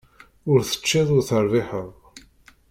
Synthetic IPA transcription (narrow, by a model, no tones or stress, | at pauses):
ʊɾθə̥t͡ʃːɪðˤʊɾθəɾˤðɪħəðˤ